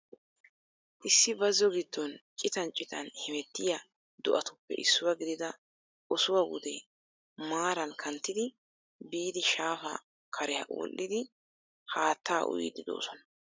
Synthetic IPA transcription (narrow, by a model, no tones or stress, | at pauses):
ʔɪsːɪbɐzːɔɡɪd̪ːɔnt͡ʃʼɪt̪ɐnt͡ʃʼɪt̪ɐnhɛmɛt̪ːɪjɐ | d̪ɔʔɐt̪ʊpːɛ̰ʔɪsːʊwɐɡɪd̪ɪd̪ɐ | ɔsʊwawʊ̰d̪ɛ | maːɾɐnkʰɐnt̪ːɪd̪ɪ | biːd̪ɪʃaːfɐ̰ | kʰɐɾɛhɐ̰ʔɔ̰lʔːɪd̪ɪ | haːt̪ːaːʔʊ̰j̰d̪ɪd̪o̰ːsɔnɐ̥